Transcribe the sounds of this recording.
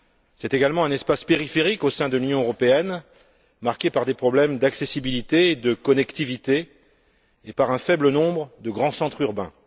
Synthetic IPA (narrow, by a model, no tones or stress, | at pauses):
sɛt̪eɡalmɑ̃ɛ̃nɛspaspeʁifeʁikosɛ̃d̪əlynjɔ̃øʁɔpeɛn | maʁkʲepaʁd̪epχɔblɛmd̪aksesibilit̪eːd̪əkɔnɛkt̪ivit̪eː | paʁɛ̃fɛblənɔ̃bʁəd̪əɡʁɑ̃sɑ̃t̪χyʁbɛ̰̃